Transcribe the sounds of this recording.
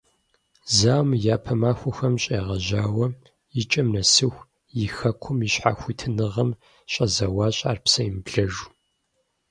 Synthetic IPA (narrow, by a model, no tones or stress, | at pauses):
zaːmjaːpʰɐmaːxʷʊxɐmɕʼeːʁɐʑaːwɐ | jɪt͡ʃʼɐmnɐsɨxʷ | jɪxɐqʷʰʊmiɕħa̰ːxʷitʰɨnɨʁɐm | ɕʼɐzɐwɑːɕʼa̰ːrpsɐjɪmbɮɐʒu